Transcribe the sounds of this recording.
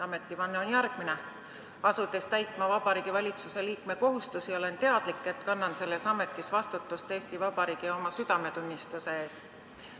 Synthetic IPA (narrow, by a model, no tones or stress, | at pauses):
ɑme̞t̪ːˑivɑnːeo̞njæɾɡ̥mine | ɑsut̪ːˑe̞st̪æjt̪ˑmɑvɑb̥ɑɾiːɡ̥ivɑlʲit̪suse̞liːkme̞ko̞ɦust̪usio̞le̞nt̪e̞ɑd̪̥likːˑe̞t̪kɑnːɑnse̞lːe̞sɑme̞t̪ːˑisvɑst̪ut̪ːˑust̪eːst̪ivɑb̥ɑɾiːɡ̥io̞mɑsyd̪̥ɑme̞t̪unʲːist̪use̞eːs